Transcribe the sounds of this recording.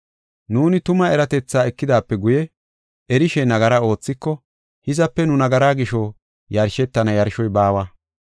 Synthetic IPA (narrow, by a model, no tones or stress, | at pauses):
nuːnɪt̪ʊmɐɛɾɐt̪ɛt͡sːaːɛkːɪd̪aːpːɛɡʊjɛ | ʔɛɾɪʃɛnɐɡɐɾɐo̞ːt͡sːɪkːɔ | hɪzɐpːɛnʊnɐɡɐɾaːɡɪʃɔ | jɐɾʃɛt̪ːɐnɐjɐɾʃɔjbaːwɐ